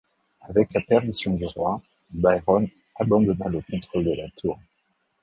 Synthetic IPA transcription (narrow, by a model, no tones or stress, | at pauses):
avɛklapɛʁmisjɔ̃d̪yʁwa | bajʁɔn | abɑ̃d̪ɔnaləkɔ̃t̪χɔld̪əlat̪ʰuːʁ